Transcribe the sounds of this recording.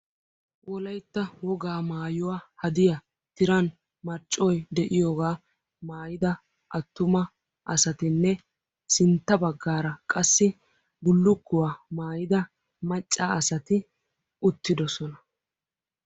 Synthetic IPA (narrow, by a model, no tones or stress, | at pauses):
wʔɔlɐjt̪ːɐwɔɡaːmaːjʊwaːhɐd̪ɪjɐ | t̪ɪɾɐn | mɐɾt͡ʃʼːɔjd̪ɛʔɪjoːɡaː | maːjɪd̪ɐ | ʔɐt̪ːʊmɐ | ʔɐsɐt̪ɪnːɛ | sɪnt̪ːɐbɐɡːaːɾɐkʼɐsːɪ | ɡʊlːʊkːʊwaːmaːjɪd̪ɐ | mɐt͡ʃʼːaːɐsɐt̪ɪ | ʊt̪ːɪd̪ɔsɔnɐ